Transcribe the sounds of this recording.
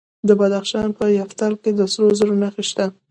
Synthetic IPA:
d̪əbad̪axʃɑnpəjaft̪alked̪əsɾozəɾonaxeʃt̪a

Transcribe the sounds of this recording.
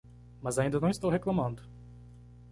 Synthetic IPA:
mɐzaĩnd̪ɐnɐ̃w̃ist̪owheklɐmɐ̃nd̪ʊ

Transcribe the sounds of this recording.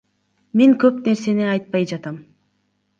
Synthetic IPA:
meŋkø̞pne̞ɾse̞niɑjt̪̚pɑjd͡ʒɑt̪ɑm

